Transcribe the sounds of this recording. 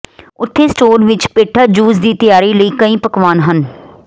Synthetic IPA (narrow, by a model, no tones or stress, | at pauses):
ʊt̪ʰːeːsʈoːɾʋɪt͡ʃpeːʈʰaːd͡ʒuːzd̪iːt̪əjaːɾiːləiːkəĩːpəkʋaːnɦən